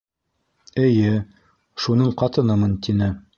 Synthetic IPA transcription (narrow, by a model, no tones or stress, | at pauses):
ɘ̆jɘ | ʃunɤɴqɑt̪ɤ̆nɤmɤnt̪inɘ